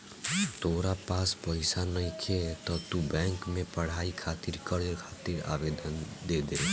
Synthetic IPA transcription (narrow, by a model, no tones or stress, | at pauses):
t̪oːɾapaspəɪsanəikʰet̪ɔt̪ubɛ̃ŋkmẽpəɽ̤aikʰat̪iɾkəɾkʰat̪iɾa̰bed̪ənd̪ed̪e